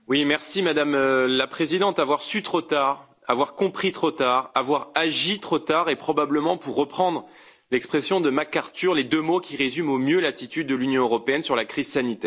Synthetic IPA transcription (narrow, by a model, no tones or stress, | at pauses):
wimɛʁsimad̪amlapχezid̪ɑ̃t̪avwaʁsyt̪χot̪aʁ | avwaʁkɔ̃pχit̪χot̪aʁavwaʁaʒit̪χot̪aʁepχɔbabləmɑ̃puʁːəpχɑ̃d̪ʁ | lɛkspχesjɔ̃d̪əmakaʁt̪yʁled̪ømokʲiʁezymomjølat̪it̪yd̪ːəlynjɔ̃øʁɔpeɛnsyʁlakχizsanit̪ɛːʁ